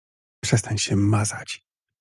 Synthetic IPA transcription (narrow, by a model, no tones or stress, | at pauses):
pʂɛst̪ʰaɲɕɛmazat͡ɕ